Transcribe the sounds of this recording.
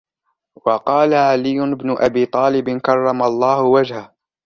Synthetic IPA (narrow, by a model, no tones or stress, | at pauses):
wɑqɑːlaʕalɪjːʊɪbnʊʔabiːt̪ˤɑːlɪbɪnkɑrˤːɑmalˤːɑːhʊwad͡ʒhah